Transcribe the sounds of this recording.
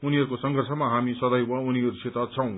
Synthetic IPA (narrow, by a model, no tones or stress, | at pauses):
uniɦʌɾukosʌŋɡʱʌrsʌmaɦamisʌd̪ʌjwʌuniɦʌɾusʰet̪ʌt͡sʰʌ̃w̃